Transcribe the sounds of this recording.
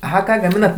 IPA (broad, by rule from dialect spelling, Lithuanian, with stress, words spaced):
ɐˈɣɐ ˈkɑː ɡɐˈmʲɪnɐt